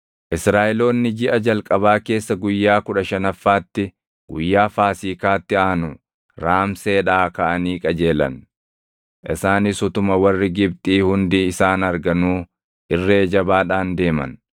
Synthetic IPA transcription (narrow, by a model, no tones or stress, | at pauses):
ʔɪsɾaːʔɛlo̞ːnːɪd͡ʒɪʔɐd͡ʒɐlkʼɐβaːke̞ːsːɐɡʊjːaːkʊᶑɐʃɐnɐfːaːt̪ːɪ | ɡ̥ʊjːaːfaːsiːkaːt̪ːɪaːnʊ | ɾaːmse̞ːᶑaːkɐʔɐniːkʼɐd͡ʒe̞ːlɐ̰n | ʔɪsaːnɪsʊt̪ʊmɐwɐrːɪɡɪb̚t̪ʼiːhʊnd̪iːɪsaːnɐɾɡɐnuː | ʔɪrːeːd͡ʒɐbaːᶑaːnd̪e̞ːmɐ̰n